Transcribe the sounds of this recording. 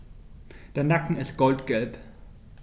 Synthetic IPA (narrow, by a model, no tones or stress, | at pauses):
d̥eːɐnakŋ̩ɪst̚ɡ̥ɔltɡ̥ɛlp